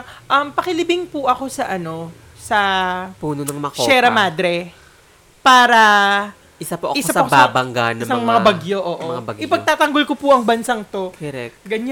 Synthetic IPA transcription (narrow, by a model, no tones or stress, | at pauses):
ʔɐmpɐkɪlɪbɪŋpʊʔɐko̞sɐʔɐno̞ | sɐpuːnonɐŋmɐkʃoɛɾɐmaːd̪ɾɛ | paːɾɐ | ʔɪsapoʔɐɪsoɐsɐɐobaabɐŋɡanɐsɐŋmɐŋabɐɡjoʔoːʔomŋabɐɡɪpɐɡ̚t̪aːt̪ɐŋɡolkopʊʔɐŋbɐnsɐŋt̪o̞kɛɾɛk̚ɡɐɲa